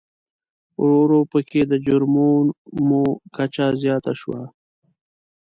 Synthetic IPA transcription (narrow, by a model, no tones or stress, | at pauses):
ɾoɾopəkʰed̪əd͡ʒʊɾmoːnmõkat͡ʃazjɑːt̪aʃuwa